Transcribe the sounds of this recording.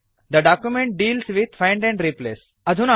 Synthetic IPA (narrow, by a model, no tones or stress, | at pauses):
d̪əɖaːkjumẽɳʈ̚ɖiːlsʋɪd̪fãɪ̃ɳɖɛ̃ɳɖɾipleːs | ɐd̪ʱũna